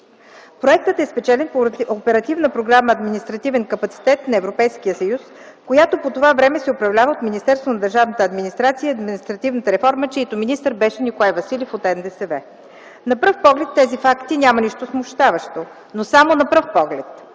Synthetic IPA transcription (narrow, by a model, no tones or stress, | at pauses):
pɾoɛk̚t̪ət̪ɛspɛt͡ʃɛlɛnpoopɛɾɐt̪ivnəpɾoɡɾaməːd̪minist̪ɾɐt̪ivɛnkəpɐt̪si̥t̪ɛt̪nɐɛvɾopɛjskijəsɐjus | kojat̪opot̪ovavɾɛmɛsɛopɾɐvlʲavəot̪minist̪ɛɾst̪vonɐd̪ɐɾʒavnət̪əɐd̪minist̪ɾat̪sijəiɐd̪minist̪ɾɐt̪ivnət̪əɾɛfɔɾmət͡ʃɛit̪ominist̪əɾbɛʃɛnʲikoaɛvɐsilʲifot̪ɛnd̪ɛsɛvɛ | nɐpɾəfpɔɡlɛt̪ːɛzifakt̪inʲamɐniʃt̪osmʊʃt̪avəʃt̪o | nosamonɐpɾəfpɔɡlɛt̪